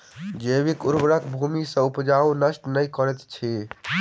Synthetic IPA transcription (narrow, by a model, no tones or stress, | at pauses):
d͡ʒebikuɾbɽəkbʱumisə̃upd͡ʒaunəsʈnəjkəɾɛt̪t͡ʃʰi